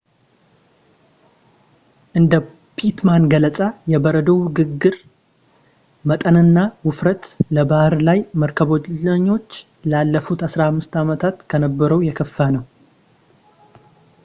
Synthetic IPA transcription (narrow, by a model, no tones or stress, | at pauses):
ʔɨnd̪ə | pʰit̪manɡələt͡sʼajɛbəɾəd̪əwɡɨɡːɨɾ | mət̪ʼənɨnːawʊfɾət̪ləbahɨɾlajməɾkʰəβoəɲːo̞t͡ʃː | lalːəfut̪asɾahamːɨst̪amət̪ʰat̪kʰənəbːəɾəwjɛkʰəfːanəw